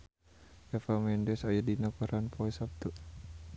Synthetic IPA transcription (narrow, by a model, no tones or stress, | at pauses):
ɛfamɛndɛsajadinakaɾanpʰɔsap̚t̪u